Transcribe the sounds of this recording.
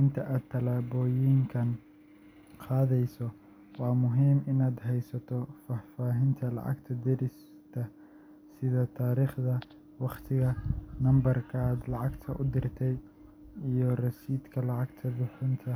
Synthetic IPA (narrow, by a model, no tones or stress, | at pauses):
ɪnt̪ʰɐʔaːd̪̚t̪ʰːɐlaːβɔːjɪŋkʰɐn | qɑːðɛjsɔ | wɑːmʊɦiːmɪnaːd̪ɦɛjsɐt̪ʰɔfaːfaːɦɪnt̪ʰɐlɑ̰ʕɑ̰ɡt̪ʰɐd̪ɪɾɪs | t̪ʰɐ | sɪðɐt̪ʰaːɾiːχd̪ɐ | wɑqt̪ʰɪɣɐnɐmbɐrkʰɐːd̪lɑʕɑɡt̪ʰɐʔʊd̪ɪrt̪ʰɛj | ijɞrɐsiːd̪kʰɐlɑʕɑɡt̪ʰɐd̪ʊħʊnt̪ʰɐ